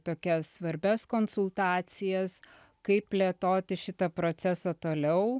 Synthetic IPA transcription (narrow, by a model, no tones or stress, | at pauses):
t̪oːkʲɛssʋɐɾʲbʲɛskoːnsʊlˠt̪ɑːsʲɪjɛs | kɐɪp̚pʲlʲeɛt̪oːt̪ʲɪʃʲɪt̪ɐpɾoːt͡ssʲæsɐt̪oːlʲɛʊ